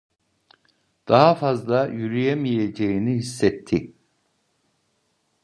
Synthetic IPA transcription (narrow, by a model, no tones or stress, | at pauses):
d̪̥aɦafazlˠajyɾyjemijed͡ʒejinihisːɛt̪ʰːi